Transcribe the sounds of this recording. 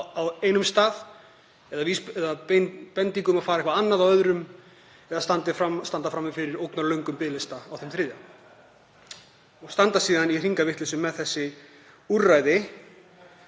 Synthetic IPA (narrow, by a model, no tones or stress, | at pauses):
aweːjnʏmst̪aːð | ɛðavisɛðappɛnt̪iŋkʏmaðfaːɾaɛhkvaanːaðawœðɾʏm | ɛðast̪ant̪ɪfɾast̪ant̪afɾamːɪfɪɾɪɾowknaɾlœɥŋkʏmpɪːlɪst̪aawθɛmθɾɪːðjam | ɔɣst̪ant̪asiːðanir̥iŋkavɪht̪lɪsʏmːɛðθɛsːɪ | urrajðɪ